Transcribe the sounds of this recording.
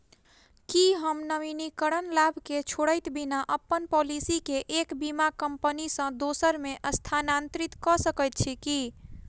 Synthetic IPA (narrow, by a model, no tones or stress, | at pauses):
kiɦəmnəʋinikəɾənlabʱket͡ʃʰoɽəjt̪binaʔəpːənpɔlisikeʔekbimakəmpənisə̃d̪osəɾmeʔəst̪ʰanant̪ɾit̪kɔsəkəjt̪̚t͡ʃʰiki